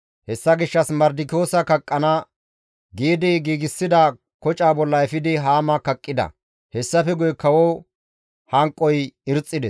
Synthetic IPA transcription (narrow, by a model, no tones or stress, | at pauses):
hɛsːɐɡɪʃːɐsmɐɾd̪ɪko̞ːsɐkɐkʼːɐnɐ | ɡeːd̪ɛjɡiːɡɪsːɪd̪ɐ | kɔt͡ʃʼaːbɔlːɐɛfɪd̪ɪɦaːmɐkɐkʼːɪd̪ɐ̰ | hɛsːɐfɛɡʊjkɐwɔ | hɐŋkʼɔjɪɾt͡sʼːɪd̪ɛs